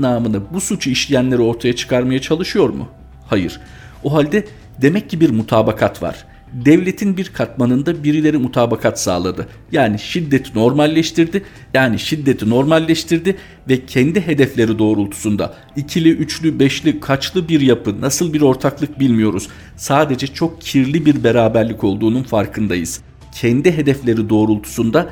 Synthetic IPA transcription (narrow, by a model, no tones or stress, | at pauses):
naːmɯnɯbusut͡ʃʰuiʃlʲijænlʲe̞ɾio̞ɾt̪ʰajat͡ʃʰɯ̥kʰaɾmajat͡ʃʰalˠɯʃɯjo̞ɾmṵ | hajɯ̰ɾ̥ | oɦalʲd̪ɛ | d̪e̞mɛcːibiɾmut̪ʰaːbakʰat̪va̰ɾ̥ | d̪ɛvlʲe̞t̪ʰinbiɾkʰat̪manɯnd̪abiɾilʲe̞ɾimut̪ʰaːbakʰat̪sa̰ːlˠa̰d̪ɯ | jaːniʃid̪ːe̞t̪ʰino̞ɾmalʲːʃt̪ʰiɾd̪ɪ | jaːniʃid̪ːe̞t̪ʰino̞ɾmalʲːɛʃt̪ʰiɾd̪ɪ | vɛcʰɛnd̪iɦe̞d̪ɛflʲe̞ɾid̪o̞ːɾulˠt̪ʰu̥sund̪a̰ | icʰilʲiʔyt͡ʃlʲybɛʃlʲikʰat͡ʃlˠɯbiɾjapʰɯnasɯlˠbiɾo̞ɾt̪ʰaklˠɯk̚bilʲmijo̞ɾuz̥ | saːd̪e̞d͡ʒɛt͡ʃʰo̞k̚cʰiɾlʲibiɾbe̞ɾaːbæɾlʲico̞lˠd̪uːnunfaɾkʰɯnd̪ajɯ̰z̥ | cʰɛnd̪iɦe̞d̪ɛflʲe̞ɾid̪o̞ːɾulˠt̪ʰu̥sund̪a